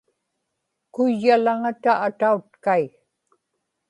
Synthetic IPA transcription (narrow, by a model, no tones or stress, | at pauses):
kʊjːalaŋat̪aʔːt̪aut̪kai